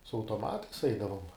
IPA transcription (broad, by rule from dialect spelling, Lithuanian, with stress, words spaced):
sʊ ɐʊtoːˈmɑːtɐɪs ˈɛɪdɐʋoːm